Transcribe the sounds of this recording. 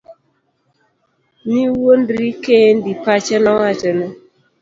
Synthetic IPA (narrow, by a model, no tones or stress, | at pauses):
niwon̩dɾiken̩dipat͡ʃɛnawat͡ʃɛnɔ